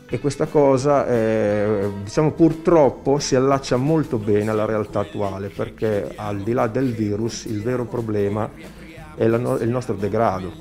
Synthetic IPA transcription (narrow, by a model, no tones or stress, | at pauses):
ekːwest̪akɔːzaɛ | d̪it͡ʃaːmopurt̪ɾɔpːosialːat͡ʃːamolt̪obɛːnealːaɾealt̪aːt̪ːuaːleperkeald̪ilad̪ːelviːɾusḭlvɛːɾopɾoblɛːma | ɛlaɛlnɔst̪ɾod̪eɡɾaːd̪o